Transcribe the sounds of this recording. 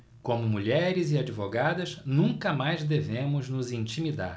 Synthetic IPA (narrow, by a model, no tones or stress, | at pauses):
kõmʊmuʎɛɾɪziad͡ʒivoɡad̪ɐznũŋkɐmajzd̪evẽmʊznʊzĩnt͡ʃimid̪a̰ɾ